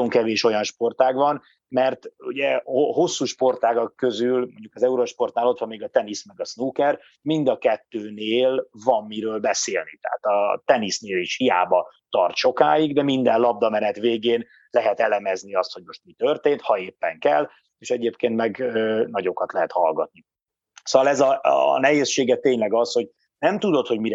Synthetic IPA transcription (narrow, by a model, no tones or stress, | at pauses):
oŋkɛveːʃo̞jɒnʃpo̞rt̪aːɡʋɒn | mɛrt̪uɟɛoɦo̞sːuːʃpo̞rt̪aːɡɒkːø̞zylmoɲɟukɒzɛuɾoʃpo̞rt̪naːlo̞t̪ʋɒmːeːɡɒt̪ɛnismɛɡɒsnuːkɛr | mind̪ɒkɛt̪ːøːneːlvɒmːiɾøːlbɛseːlnit̪ɛ̰ɦa̰t̪ɒt̪ɛnisneːliʃhija̰ːbɒt̪ɒrt̪ʃo̞kaːjiɡd̪ɛmind̪ɛnlɒb̚d̪ɒmɛnɛt̪veːɡeːn | lɛɦɛt̪ɛlɛmɛzniɒst̪ho̞ɟmo̞ʃt̪mit̪ørt̪eːnt̪hɒeːpːɛŋkɛl | eːʃɛɟeːpkeːnt̪mɛɡønɒɟo̞kɒt̪lɛɦɛt̪hɒlɡɒt̪ni | soːʋɒlɛzɒnɛɦeːsʃːeːɡɛt̪eːɲlɛɡɒsho̞ɟ̚ | nɛmt̪ud̪o̞t̪ho̞ɟmiɾɛ